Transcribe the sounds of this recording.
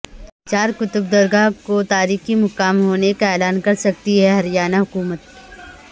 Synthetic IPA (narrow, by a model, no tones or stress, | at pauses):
t͡ʃaːɾkʊt̪ʊb̚d̪ɐɾɡakot̪aːɾiːximʊkaːmɦoːnekaeːlaːnkɐɾsɐk̚t̪iɦɛɦɐɾijaːnaɦʊkuːmət̪̚